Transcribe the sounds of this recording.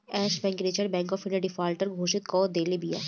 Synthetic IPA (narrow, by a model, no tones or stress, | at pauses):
ɛːʃbɛ̃ːŋkɾeːt͡ʃəɾbɛ̃ːŋkɔːfɪɳɖeɖɪfaːlʈəɾɡʱoːʃɪt̪̚kɔːd̪eːlibija̰ː